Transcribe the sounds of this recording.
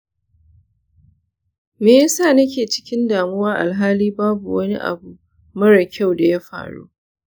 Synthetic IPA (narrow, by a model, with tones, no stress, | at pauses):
meː˨ja˦saː˦˨nɐ˦k̬ʲeː˨t͡ʃɪ̥˦kʲɪ˦ndaː˨mʊ˦waː˦ʔa̰˨lɦaː˦liː˦baː˦bu˨wɐ˦ni˦ʔa̰˨bu˨ | mɐ˦ɽa˨kʲʰa˦˨wda˨ja˦ɸa̰ː˨ɽṵː˦